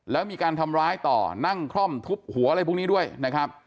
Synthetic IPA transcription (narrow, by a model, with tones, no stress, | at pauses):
lɛː˦˥wmiː˧kaː˧nt̪ʰa˧mɾaː˦˥jt̪ɔ̰ː˨˩na˥˩ŋkʰɾɔ˥˩mt̪ʰu˦˥p̚hu˨˩˦ɾa˧jpʰu˦˥niː˦˥du˥˩əjna˦˥kʰɾa˦˥p̚